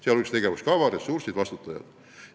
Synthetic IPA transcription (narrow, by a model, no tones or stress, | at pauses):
siælolikst̪eɡ̥eʋæskɑʋɑˑressursit̪ʋɑst̪ut̪ːɑjɑ̰t̪